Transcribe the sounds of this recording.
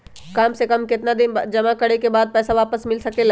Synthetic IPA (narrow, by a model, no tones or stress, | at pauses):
kaːmsekɐmkɪt̪nad̪ɪnd͡ʒɐmakɐɽekebaːd̪̚pɛːsaʋaːpəsmɪlsɐkela